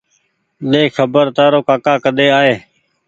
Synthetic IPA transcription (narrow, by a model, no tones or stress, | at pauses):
ɗeːxəbəɾt̪aːɾoːkaːkaːkəɗ̪eːaːɦeː